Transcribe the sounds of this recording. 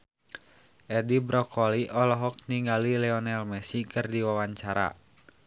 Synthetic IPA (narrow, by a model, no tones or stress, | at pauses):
ʔɛdibɾɔkʰɔliʔɔlɔɦɔk̚niŋɡalilɛɔnɛlmɛsikɨrdiwawaɲt͡ʃaɾa̰